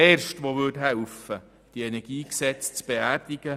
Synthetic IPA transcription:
eːɾʃtʋoʋʉtɦæwfə | d̥iɛnɛɡ̥iːksɛt͡st͡sb̥eæːrdɪɡ̥ə

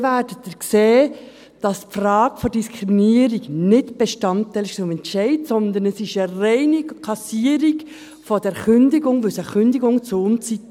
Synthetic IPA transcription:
væːd̥ət̪əkseː | d̥ɑspfrɑːɡ̥əfɔd̥iskɾiminiəɾiɡnɪtb̥eʃtɑntːɛlʃt͡sʊmɛntʃɛɪdsɔnd̪ənəsɪʃərɛɪnikʰɑsiːəɾiɡ | fɔd̥ɛɾkʏndɪɡʊŋʋɵsəχʏndiɡʊŋt͡sʊnt͡sit

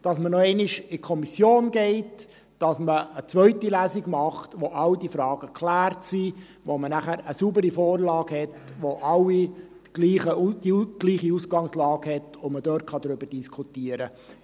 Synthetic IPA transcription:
d̥ɑsmənɔɛnɪʃɪkʰɔmisjoːnɡɛɪt | d̥ɑsməət͡sʋœʏtilæːsiɡmɑχtʋoʔɑwdifɾɑːɡ̥əkʰlæːɾtsi | ʋomənæχæɾəsubəɾifoːɾlɑːɡ̥hɛtʋoʔɑlːi | ɡ̥liːχəud̥iɡ̥liːχiusɡ̥ɑŋslɑːɡ̥hɛtʊmədøːɾtχɑd̥̪ɾʏbəɾd̥iskʰutiəɾə

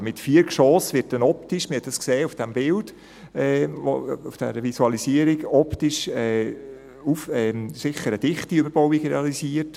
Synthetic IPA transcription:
mɪtfiːəɾkʃɔːsʋɪt̚dɛnɔptɪʃmɪɾhɛt̪d̥ɑskseːufd̥ɛmbɪld̥ | ɛo̰ufd̥ɛ̰ɾəvisuɑlisiəɾiɡɔptɪʃɛ | ufɛsɪχəɾəd̥ɪχtiøbəɾb̥ɔʊikʁɛɑlisiːət

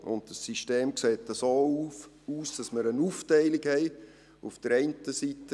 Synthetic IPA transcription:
ʊ̰ndd̥əsːiʃteːmkseːtəsoːu | uːsd̥ɑsməɾənuːftɛɪliɡhɛɪ | ufd̥əɾɛɪntəsitə

